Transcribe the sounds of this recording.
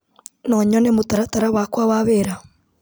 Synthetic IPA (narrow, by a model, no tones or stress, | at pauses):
nɔɲɔnemotaɾataɾaβakwaβaβeɾa